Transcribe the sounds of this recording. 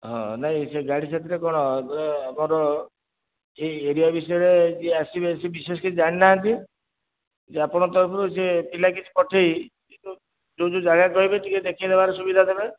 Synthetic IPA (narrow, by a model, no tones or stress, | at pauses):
ɦɔ̰̃naɦĩseɡaɽit͡ʃʰat̪iɾekɔɽ̃ɔamaɾɔ | eeɾiabisɔjɔɾed͡ʒeasibesebisesɔ̥kit͡ʃʰid͡ʒaɽ̃inaɦɔnt̪i | d͡ʒeapɔɽ̃ɔt̪ɔɾpʰɔɾusepilak̬it͡ʃʰi̥pɔʈʰeikit̪u | d͡ʒod͡ʒod͡ʒaɡakɔɦibet̪iked̪ekʰid̪ebaɾɔsubid̪ʱad̪ebe